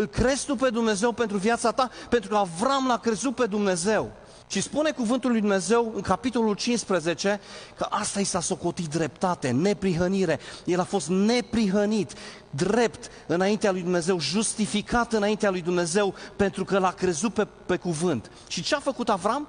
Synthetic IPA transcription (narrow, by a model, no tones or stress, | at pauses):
ɨlkɾe̞z̥t̪upe̞d̪umne̞ze̞wpe̞nt̪ɾuvjat̪sat̪ape̞nt̪ɾukəavɾamlakɾe̞zut̪̚pe̞d̪umne̞ze̞w | ʃispune̞kuvɨnt̪ulːujd̪umne̞ze̞wɨŋkapit̪o̞lult͡ʃinspɾeze̞t͡ʃe̞kəʔast̪aisaso̞ko̞t̪it̪̚d̪ɾe̞p̚t̪at̪e̞ne̞pɾiɦəniɾe̞je̞lafo̞st̪ne̞pɾiɦənit̪ | d̪ɾe̞pt̪ | ɨnaint̪ealujd̪umne̞ze̞wʒust̪ifikat̪ɨnaint̪ealujd̪umne̞ze̞wpe̞nt̪ɾukəlakɾe̞zut̪̚pe | pe̞kuvɨnt̪ | ʃit͡ʃeafəkut̪avɾam